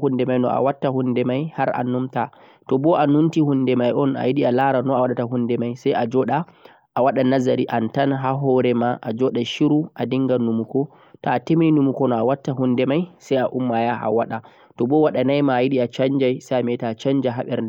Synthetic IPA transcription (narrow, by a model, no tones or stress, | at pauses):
hundɛmajnɔ̰ʔa̰watːahundɛmajhaɾʔa̰nːumta | tɔbɔʔanuntihundɛmajʔɔna̰jiɗialaɾanɔawaɗataɦundɛmajsajʔad͡ʒɔɗaː | waɗanazaɾiʔantanɦaɦɔɾɛmaʔad͡ʒɔɗaʃiɾuʔadiŋɡanumukɔ | taːtemininumukɔnɔawatːaɦundɛmajsajaʔumːajaa̰waɗa | tɔbɔwaɗanajmaːjiɗiat͡ʃaɲd͡ʒajsajamɛtaːt͡ʃaɲd͡ʒaɦaɓɛɾdɛ